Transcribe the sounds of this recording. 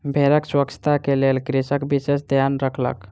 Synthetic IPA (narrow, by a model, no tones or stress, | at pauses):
bʱeɾəkswəkt͡ʃʰə̥t̪akelelkɾisəkbisesd̪ʱjanɾəkʰlə̰k